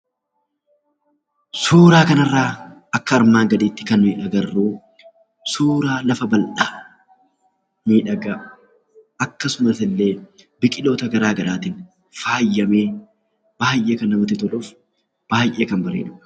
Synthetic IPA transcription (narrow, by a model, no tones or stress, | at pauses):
suːɾaːkɐnɐrːaːʔɐkːɐːɾmaːŋɡɐd̪iːt̪ːɪ̥kɐnmiːᶑɐɡɐrːuː | suːɾaːlɐfɐbɐlʔaː | miːᶑɐɡɐʔ | ɐkːɐsʊmɐsɪlːe̞ː | bɪkʼɪlo̞ːt̪ɐɡɐɾaːɡɐɾaːt̪ɪn | faːjːɐmeː | b̥aːjʔe̞ːkɐnːɐmɐt̪ːɪt̪ɔlʊf | b̥aːjʔe̞ːkɐnbɐɾḛːᶑʊʔɐ̥